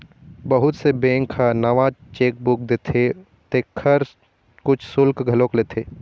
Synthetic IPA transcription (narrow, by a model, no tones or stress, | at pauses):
bəɦʊt̪sebẽːŋkʰanɐʋãt͡ʃeːk̚bʊk̚d̪et̪ʰe | t̪eːkʰːəɾ | kʊt͡ʃʰsʊlkɡʱɐlõklet̪ʰeː